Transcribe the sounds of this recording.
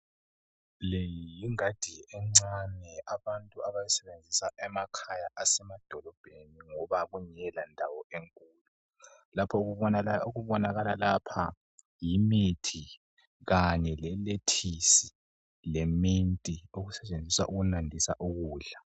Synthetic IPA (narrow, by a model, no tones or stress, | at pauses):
lejijiŋad̥ʱiɛŋ͡ǀanɛaβantʼuaβajɛsɛβend͡zʱisaʔɛmakʰajaʔasɛmad̥ʱɔlɔb̥ʱeniŋɔβaɣuɲɛlandʱawɔeŋkʼuːlu | lapʰɔɣuβɔoɣuβɔnaɣalalapʰa | jimitʰi | ɣaɲɛlɛletʰisi | lemintʼioɣusɛt͡ʃʼend͡zʱisa̰ʔuɣunandʱisaʔuɣuːɮa